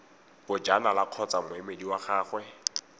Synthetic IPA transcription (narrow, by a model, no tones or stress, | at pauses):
bʊd͡ʒanalaq͡χʰɔt͡samʊemediwaχaːχwɛ